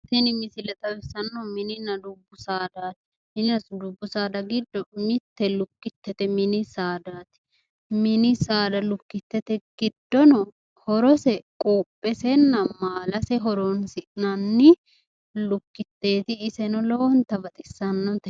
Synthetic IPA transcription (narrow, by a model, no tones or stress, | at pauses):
t̪ɛnɪmɪsɪlɛt̪ʼɐwɪsɐnːɔmɪnɪnɐd̪ʊbːʊsaːd̪aːt̪ɪ | mɪnɪnɐd̪ʊbːʊsaːd̪ɐɡɪd̪ːɔmɪt̪ːɛlʊkːɪt̪ːɛt̪ɛmɪnɪsaːd̪aːt̪ɪ̥ | mɪnɪsaːd̪ɐlʊkːɪt̪ːɛt̪ɛɡ̥ɪd̪ːɔnɔ | hɔɾɔsɛkʼoːpʼːɛsɛnːɐmaːlɐsɛɦɔɾoːnsɪʔnɐnːɪ | lʊkːɪt̪ːe̞ːt̪ɪːsɛnɔlɔwɔnt̪ɐbɐt̪ʼɪsːɐnːɔt̪ɛ